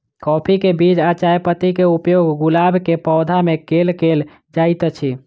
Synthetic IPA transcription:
kɔpʰikebid͡ʒat͡ʃajpət̪ikeupjoɡɡulabkepɔd̪ʱamekelkel | d͡ʒajt̪t͡ʃʰi

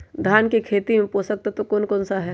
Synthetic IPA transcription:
d̪ʱjaːnkekʰeːt̪imẽpoːsək̚t̪at̪okoːnkɔ̃ːnsaɦɛː

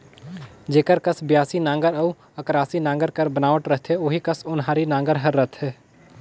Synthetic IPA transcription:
d͡ʒeːkəɾkəsbjaːsinãːŋɡəɾəː | əkɾaːsinãːŋɡəɾkəɾbənaːʋəʈɾəɦt̪ʰɦeoːɦikəsʊnɦaːɾinãːŋɡəɾɦəɾːət̪ɦɛː

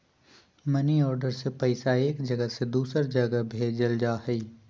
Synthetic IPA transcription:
mɐniɔːɾɖəɾsepɛɪsaeːkd͡ʒɐɡəsed̪uːsəɾd͡ʒɐɡəbʱeːd͡ʒəld͡ʒaːhɛi

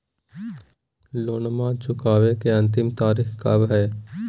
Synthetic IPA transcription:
loːnmãːt͡ʃʊkaːʋekeɐ̃nt̪̬ɪmt̪aːɾiːxkabɦɛː

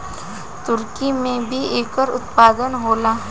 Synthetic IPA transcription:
t̪ʊɾkimẽbʱieːkəɾʊ̰t̪paːd̪ənɦoːlaː

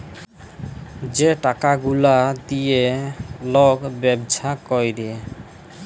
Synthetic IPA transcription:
d͡ʑeʈakaɡulad̪ijeloɡbɛbd͡ʒʱakɔjɾe

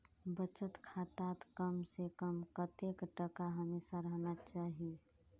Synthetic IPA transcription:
bət͡ʃət̪kʰat̪at̪kəmsekəmkət̪ekʈəkaɦəmesaɾəɦnat͡ʃaːɦie

